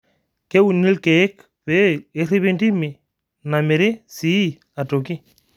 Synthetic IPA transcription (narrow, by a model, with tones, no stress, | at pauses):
ke˦wu˨ni˦lke˨e˦k | βe˦e˦ɾi˦βi˦ndi˦mi˨ | na˨mi˨ɾi˦si˦ | a˨to˨ki˦